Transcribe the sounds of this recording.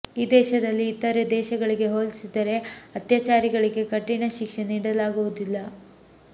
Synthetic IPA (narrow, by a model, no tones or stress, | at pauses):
iːd̪ɛːʃɐd̪ɐlːiːt̪ːɐɾed̪ɛːʃɐɡɐɭiɡe̞ɦoːlisid̪ɐɾe̞ɐt̪jaːt͡ʃaːɾiɡɐɭiɡe̞kɐʈːinɐʃikʂeniːɽɐlaːɡuʋud̪ilːɐ